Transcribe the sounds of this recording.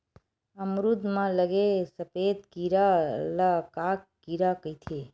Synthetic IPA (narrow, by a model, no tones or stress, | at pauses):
əmɾud̪ʱmãləɡesəpet̪kiɾalakaːkːiɾakət̪ʰe